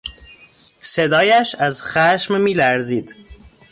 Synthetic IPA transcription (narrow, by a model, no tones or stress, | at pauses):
sed̪ɒːjæʃæzxæʃmmiːlæɾziːd̪